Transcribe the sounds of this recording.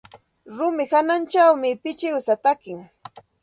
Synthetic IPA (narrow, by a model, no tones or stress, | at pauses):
ɾʊmɪhanant͡ʃawmɪpɪt͡ʃɪwsat̪akɪŋ